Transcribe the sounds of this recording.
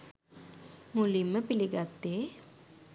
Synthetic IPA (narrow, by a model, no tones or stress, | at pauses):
mulimːəpiliɡat̪ːeː